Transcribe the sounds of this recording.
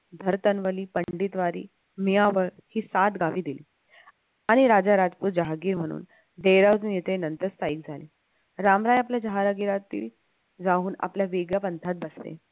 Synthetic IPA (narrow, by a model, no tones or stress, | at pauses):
d̪ʱəɾt̪ənʋəliːpəɳɖit̪ʋaɾḭː | miaʋəɭ | hiːsat̪ɡaʋiːd̪iliː | aɽ̃iɾad͡zaɾad͡zpuːɾd͡ʑaɦaɡiːɾm̤əɽ̃ṵːn | ɖeɾaʋd͡zunjet̪ʰenənt̪əɾst̪aiːk̚d͡zʱaliː | ɾamɾajapljad͡ʑəɦaɾaɡiɾat̪ḭːl | d͡zaɦuːna̰pljaʋiɡjapənt̪ʰat̪̚bəst̪ḛ